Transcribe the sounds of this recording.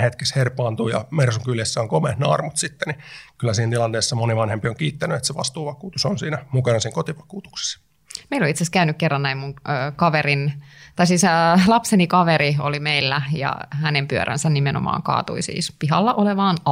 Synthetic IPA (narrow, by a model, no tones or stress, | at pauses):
het̪kesherpːɑːnt̪uːjɑ̰mersuŋkyljesːæoŋkomet̪neɑrmut̪sit̪ːenikylːæsiːnt̪ilɑnt̪eːsːɑmoniʋɑnhempioŋkiːt̪ːænyet̪seʋɑst̪uːʋɑkuːt̪usonsiːnæmukɑnɑsiːŋkot̪iʋɑ̥kuːt̪u̥kse̥sː | meiloit̪seskæynykkerːɑnnæimmuŋːkɑʋerint̪ɑisiːslɑpsenikɑʋeɾio̰limeilːæjɑ̰hænempyø̰ɾʔæ̰nsænnimenʔo̰mɑ̰ːŋkɑ̰ːt̪ṵisḭːspiɦɑlːɑʔoleʋɑːnɑ